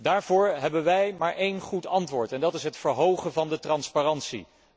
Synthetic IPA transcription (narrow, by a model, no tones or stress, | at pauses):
daːɹvʊːɹɦɛbənʋɛjmaːɹʔejnχutɑntʋʊːɹtɛndɑtɪsɦətfəɹɦowχənvɑndətrɑnsparɑntsḭ